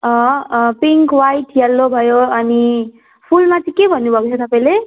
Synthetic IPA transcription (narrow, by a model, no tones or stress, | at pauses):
ʌpiŋkwajʈjelːobʱʌjoʌni | pʰulmat͡sʌĩkebʱʌnːubʱʌkot͡sʰʌt̪ʌpaĩle